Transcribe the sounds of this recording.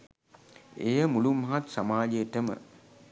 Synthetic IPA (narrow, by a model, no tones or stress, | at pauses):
ejəmulumːɐɦat̪samaːd͡ʒejəʈəmə̰